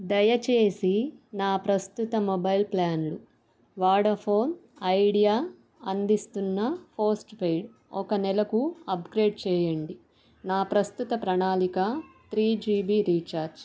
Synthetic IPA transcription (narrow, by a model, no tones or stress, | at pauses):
d̪ɐjɐt͡ʃeːsinaːpɾɐst̪ut̪ɐmɔbɐjlplaːnlu | ʋaːɽɐpʰo̞ːn | ɐjɽijaː | ɐnd̪ist̪unːɐpʰoːsʈpejɽ | ɔkɐnɛlɐkuɐpɡɾe̞ːɖt͡ʃɛːjɐɳɖi | naːpɾɐst̪ut̪ɐpɾɐɳaːlikɐt̪ɾiːd͡ʒiːbiːɾiːt͡ʃaːɾd͡ʒ